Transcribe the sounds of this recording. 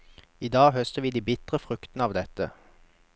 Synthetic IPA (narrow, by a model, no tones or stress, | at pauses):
iːd̪ɑːɡɦœst̪əʋiːd̪iːbɪt̪ʁəfʁʉkt̪n̩əɑːʋd̪ɛt̪ə